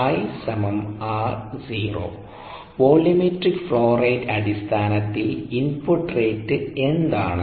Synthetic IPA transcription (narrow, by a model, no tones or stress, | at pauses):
ɐjsɐmɐmaːrziːro̰ː | ʋoːlimeʈrikːfɭoːrejdɐðist̪ʰaːnɐt̪ːilinpoʈreːtːɨend̪aːɳɨ